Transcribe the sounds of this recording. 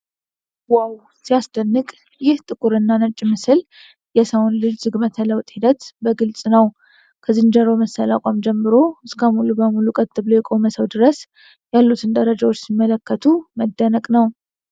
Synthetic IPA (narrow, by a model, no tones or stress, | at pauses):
waw | sijasd̪̥ənːɨkʼ | jɪht̪ʼɨkʼuɾɨnːanət͡ʃʼːmɨsɨl | jɛsəwonlɨd͡ʒzɨɡmət̪ʰələwt̪ʼhid̪ət̪bəɡɨlt͡sʼnəw | kʰəzɨnd͡ʒəɾoməsːəla̰kʷʼamd͡ʒɛmːɨɾo̞ɨskʰəmulubəmulukʼət̪ʼːɨβlojɛkʼoməsəwd̪ɨɾəs | jalːut̪ʰɨnd̪əɾəd͡ʒawot͡ʃːsimːələkːət̪ʰuməd̪ːənəkʼnəw